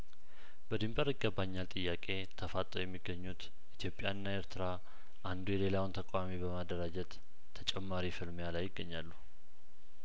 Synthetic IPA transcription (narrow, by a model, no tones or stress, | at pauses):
bəd̪ɨmbʼəɾɨɡːəbːaɲːalt̪ʼɨjːakʼe̞t̪ʰəfat̪ʼːojɛmːiɡːəɲːut̪ | ʔit̪ʰijo̞pʼjanːaeɾt̪ʰɨɾa | ʔand̪ujɛle̞lawɨnt̪ʰəkʷʼamibəmad̪ːəɾad͡ʒɛt̪ʰː | ət͡ʃʼɛmːaɾifɨlmjalajːɪɡːəɲːalːu